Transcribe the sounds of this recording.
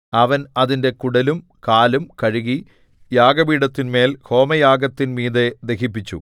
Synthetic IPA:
ɐʋɐnɐðinde̞kuɽɐlum | kaːlumkɐɻiɣi | jaːɡɐbiːɽɐt̪ːinme̞ːlho̞ːmɐjaːɡɐt̪ːinmiːðed̪e̞ɦipːit͡ɕːṵ

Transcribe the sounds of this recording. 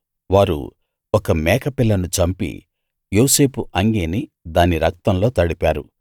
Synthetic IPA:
ʋaːɾṵ | ɔkɐmɛːkʰɐpilːɐnut͡ʃɐmpḭ | jo̞ːse̞ːpʰuʔɐŋɡeːni | d̪aːniɾɐk̚t̪ɐmlo̞ːt̪ɐɽipaːɾu

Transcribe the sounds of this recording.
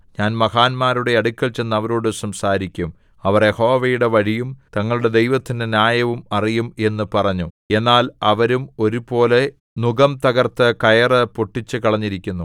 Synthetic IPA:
ɲaːnmɐhaːnmaːɾuɽe̞ɐɽukʲːɐɭt͡ɕe̞nːɐʋɐɾoːɽɨsɐmsaːɾikʲːum | ɐʋɐrjeho̞ːʋɐjuɽe̞ʋɐɻijumt̪ɐŋːɐɭuɽe̞d̪e̞jʋɐt̪ːindɨnjaːjɐʋumɐrijume̞nːɨpɐrɐɲːu | e̞nːaːlɐʋɐɾumo̞ɾupo̞ːle̞ | nuɡɐmt̪ɐɣɐrt̪ɨkɐjɐrɐpoʈːit͡ɕːɨkɐɭɐɲːiɾikʲːunːu

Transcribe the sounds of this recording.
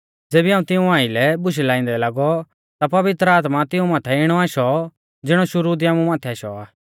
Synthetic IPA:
d͡zeːbiaːũt̪ɪũãːilɛbʊʃ̬ɛlaːĩːnd̪ɛlaːɡɔ | t̪apɐʋɪt̪ɾəaːt̪mat̪ɪũmãːt̪ʰɛɪɽ̃ɔaːʃɔ | d͡zɪɽ̃ɔʃʊɾuːd̪iaːmũmãːt̪ʰɛaːʃɔ̰aː

